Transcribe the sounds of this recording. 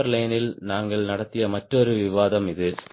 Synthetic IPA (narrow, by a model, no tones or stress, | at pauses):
ɐɾlɐjɐnɪlnaːŋɡɐɭnɐɽɐt̪ːɪjɐmɐʈrɔɾɯʋɪʋaːðɐmɪðɯ